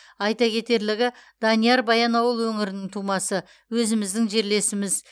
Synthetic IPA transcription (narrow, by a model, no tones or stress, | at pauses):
ɑjt̪ɑkʲʰe̞t̪e̞ɾlɪɡʲɪd̪̥ɑnijɑɾbɑjɑnɑwəlˠwɵŋɪɾɪnɪŋt̪ʰumɑsə | wɵzɪmɪzd̪ɪŋʒe̞ɾle̞sɪmɪz